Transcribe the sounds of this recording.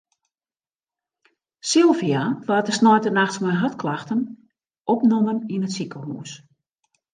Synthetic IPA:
sɪlˠviaʋaːtəsnɔjtənaxtsmɛjnɦatklaxtən | ʔɔpnoməninətsikəɦuːs

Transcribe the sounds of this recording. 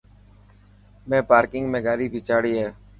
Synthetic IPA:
mẽːpaːɾkɪŋɡmẽːɡaːɾiːbʱiːt͡ʃaːɽiːɦeː

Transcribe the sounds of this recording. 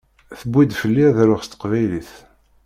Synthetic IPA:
θəbːid̪fəlːiðɾʊʁst̪ə̥qvæjliθ

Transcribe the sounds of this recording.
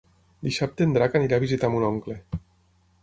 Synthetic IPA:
d̪isap̚t̪end̪ɾakaniɾaβizit̪amunoŋkle

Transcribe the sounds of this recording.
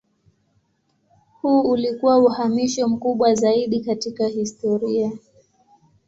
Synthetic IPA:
huːulikuwauhamiʃɔm̩kuɓwazaiɗikatikahistɔɾia

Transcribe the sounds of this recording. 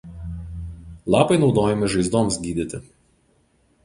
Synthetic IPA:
lˠɑːpɐɪnɒʊd̪oːjɛmʲɪʒɐɪzd̪oːmsɡʲiːd̪ʲɪt̪ʲɪ

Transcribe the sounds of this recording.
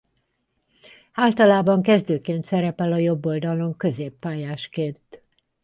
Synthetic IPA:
aːlt̪ɒlaːbɒŋkɛzd̪øːkeːnt̪sɛɾɛpɛlɒjo̞bːo̞ld̪ɒlo̞ŋkø̞zeːpːaːjaːʃkeːnt̪

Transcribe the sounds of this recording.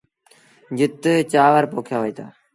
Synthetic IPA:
d͡ʒɪt̪ət͡ʃaːʋəɾpoːkʰjaːʋoiːt̪ʰa̰ː

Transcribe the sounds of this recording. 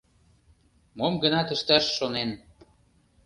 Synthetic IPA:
momɡənɑt̪ə̆ʃt̪æʃːonen

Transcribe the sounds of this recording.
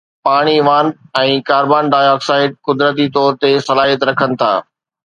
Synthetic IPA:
paːɽ̃iʋaːnɛ̃ːkaːɾbaːnɖaːjɔːksaːɪt̪̚kʊd̪ɾət̪̬it̪ɔːɾt̪esɐlaːɦijət̪ɾɐkʰənɪ̆t̪ʰa̰ː

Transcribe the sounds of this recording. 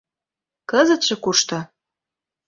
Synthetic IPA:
kəzə̆t̪ʃɤ̆kuʃt̪ɤ̆

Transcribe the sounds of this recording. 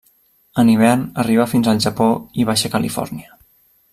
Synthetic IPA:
əniβ̞ɛrnəriβ̞afinzəlˠʒəpoiβaʃəkəlifɔ̰ɾniə

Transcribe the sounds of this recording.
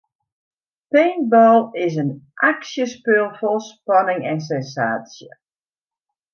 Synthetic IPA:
peːnbɔlˠɪsənʔaksjəspølˠfɔlˠspɑnɪŋɛns̬ɛnsa̰ːsjə̰

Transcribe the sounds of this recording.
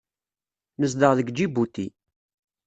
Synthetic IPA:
nəzd̪əʁðəɡd͡ʒibut̪ːḭ

